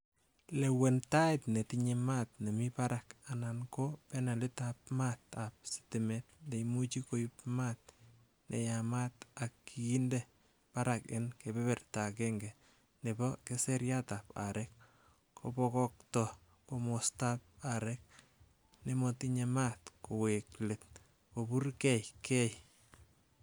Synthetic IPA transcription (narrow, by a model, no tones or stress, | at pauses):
lɛwentaɪtnetiɲɛmatnemɪpaɾakanankopɛnalɪtap̚mat̪ap̚si̥tɪmɛt̚ndejmut͡ʃikojʊpmat̚ | nʔḛjamatakːiinde | paɾakɪnkepɛpɛrtakeŋɡɛ | nebɔkeseɾjatapa̰ɾɛk | kʰo̰pɔkɔk̚tɔ | komostap̚aɾɛk̚ | nemɔtiɲematkoweklet̚ | kopurkɛjkʰɛj